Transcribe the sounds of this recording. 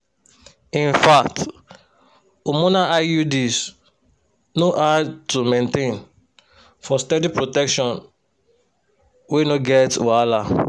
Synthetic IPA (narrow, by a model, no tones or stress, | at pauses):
ĩnfakt | umonaʔajudis | noʔatumẽntẽn | fɔstɛdipɹotɛkʃɔ̃n | wenoɡɛtala